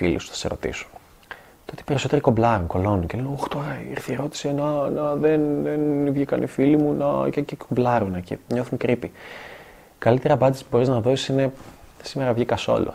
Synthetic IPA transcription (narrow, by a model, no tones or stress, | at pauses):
ilḭsu̥θɐ̥se̞̰ɾo̞̰t̪ḭsu̥n | t̪oot̪i̥pe̞ɾiso̞t̪eɾiko̞blɐɾuŋko̞lo̞nuncelenoxt̪o̞ɾɐḭɾθieɾo̞t̪i̥senɐnɐðenðenivʝikɐnʔḭfilimunɐ̰cecekʰoblɐɾunecḭɲo̞θunkɾipi | kɐlit̪e̞ɾɐpɐnd̪isi̥puboɾiznɐðo̞si̥sine̞simeɾɐvʝikɐso̰lo̰